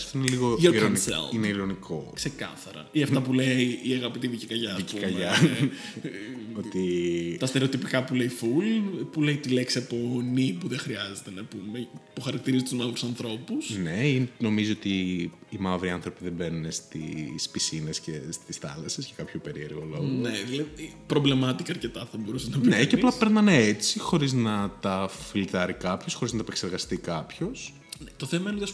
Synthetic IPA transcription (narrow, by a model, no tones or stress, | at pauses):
ɐft̪oineliɣoʝoɾiɾonisḛlineiɾonikʰo̞kse̞kɐ̰θɐɾɐ̰iɐfɐpuleiːɐɣɐpit̪iðicikɐʝɐɐsiciukɐʝmɐ | ot̪it̪ɐst̪e̞ɾeo̞t̪ipikɐpuleifulpule̞it̪ile̞ksiɐpo̞nipuðexɾiɐze̞t̪enɐpumepuxɐɾɐk̚t̪iɾizit̪uzmɐvɾusɐnθɾo̞pusne̞ino̞miziot̪iːmɐvɾiɐnθɾopiðebenunest̪ḭspisinescest̪isθɐ̰lɐsescɐkɐpçope̞ɾieɾɣoloneðilɐði | pɾo̞blemɐt̪ikɐːɾce̞t̪ɐθɐbo̞ɾuseznɐpneceɐplɐpeɾnɐneet͡sixo̞ɾiznɐt̪ɐfilt̪ɐɾikɐpço̞sxoɾiznɐt̪ɐepekse̞ɾɣɐst̪ikɐpço̞s | t̪o̞θemɐineot̪iɐs